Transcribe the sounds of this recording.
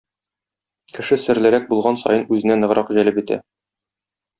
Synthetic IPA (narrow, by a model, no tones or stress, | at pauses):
kɘ̆ʃɘsɘ̆ɾlɘ̆ɾæk̚bulˠʁɑnsɒ̰jɤnʉzɘ̆nænɤ̆ʁɾʔɑqʑælɘpit̪æ̰